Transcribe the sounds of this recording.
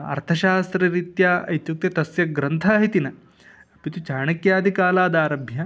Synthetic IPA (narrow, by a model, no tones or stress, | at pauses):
ɐ̰ɾt̪ʰɐʃaːst̪ɾɐɾit̪jaːʔɐjt̪juk̚t̪jɐt̪ɐsjɐɡɾɐnt̪ʰaːɦit̪inɐ | ɐpit̪ut͡ʃaːɳɐkjaːd̪ʱikaːlaːd̪aːɾɐbʱjɐ